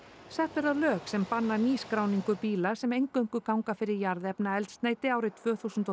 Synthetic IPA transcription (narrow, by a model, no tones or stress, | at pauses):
sɛht̪vɛɾðaðlœːksɛmpanːaɾniːskɾaːwniŋkʏɾpiːlasɛmejŋkœŋ̥kʏkawŋkafɪɾɪɾjaɾðɛpnaɛlt̪st̪naːjt̪ɪaːwɾɪt̪ʰv̥œːθusʏnt̪ɔ